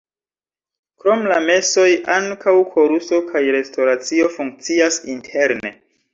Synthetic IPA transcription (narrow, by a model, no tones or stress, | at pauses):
kɾo̞mlame̞so̞jʔaŋkʰawkʰo̞ɾuso̞kʰajɾe̞stʰo̞ɾat͡sio̞fuŋk̚t͡siasintʰe̞ɾne̞̰